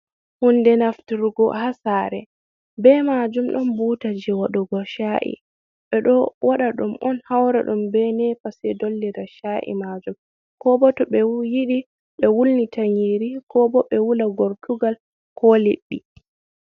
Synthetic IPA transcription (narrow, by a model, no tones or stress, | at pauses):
hundɛnaftiɾɡɔ̰hasaɾɛ | bɛmad͡ʒumɗɔnbutad͡ʒiwaɗɔɡɔʃaʔḭ | ɓɛɗɔwaɗaɗumɔnhawɾa̰ɗumbɛnɛpasɛdolːiɾaʃaʔḭmad͡ʒum | kɔbɔtɔɓɛjiɗi | ɗɔwulnitʰaɲiɾikɔbɔɓɛwulaɡɔɾtuɡal | kʰɔlḭɗːi